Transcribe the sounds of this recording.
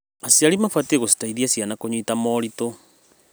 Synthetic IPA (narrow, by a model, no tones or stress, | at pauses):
asiaɾimafatieɣosi̥taiðiasianakoɲwitamɔːɾito